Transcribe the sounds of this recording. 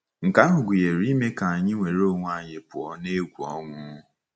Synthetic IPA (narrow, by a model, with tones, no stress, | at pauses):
ŋ̩˨ka˦nʊ˨ɡʷi˨je˨ɾi˦me˦ka˨a˨ɲɪ˦ŋʷe˨ɾo˦˨ŋʷ˦a˦˨ɲe˨pʊ˨ɔ˦ne˦ɡʷu˨ɔ˦ŋʷʊ˦